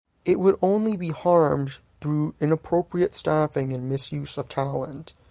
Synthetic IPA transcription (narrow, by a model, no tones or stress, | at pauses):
ɪʔ̚wəɾõʊ̃nlibihɑɹm | θɹuɨ̃nəpʰɹ̥oʊpɹiɨtstæfɪ̃ŋɨ̃nmɪsjʉsʌv̥tʰælˠə̃nt